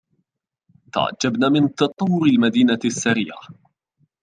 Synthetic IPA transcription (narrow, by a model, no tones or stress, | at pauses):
t̪a̰ʕa̰d͡ʒːabnaːmɪnt̪ɑt̪ˤɑwːʊɾɪlmad̪iːnasːaɾḭːʔa̰